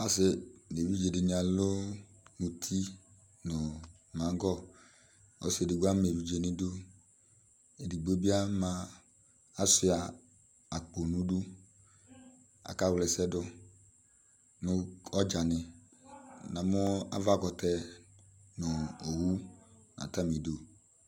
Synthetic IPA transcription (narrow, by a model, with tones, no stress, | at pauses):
a˦sɪ˨de˨vi˦d͡ʒe˨dɪ˨ɲ˨a˨lo˦ | nu˨t̪ʰi˦ | nʊ˨ | mã˨˦ŋ˦ɡɔ˦ | o˦se˨dɪ˨ɡu˦a˦m˨e˨vi˦d͡ʒe˨nɪ̃˦du˦ | e˨di˨ɡ͡bo˦bi˦a˦mã˨ | a˦sʊ˨a˨ | a˨k͡po˨nũ˦du˦ | a̰˨ka˦˨wlɛ˨sɛ˦dʊ˦ | nʊ˦ɔ˦d͡ʒa˨nɪ˨ | nã˨mʊ˦a̰˦va˦˨ɡɔ˨tɛ˦ | nʊ˨o˨wu˦ | na̰˨ta˦mi˨do˨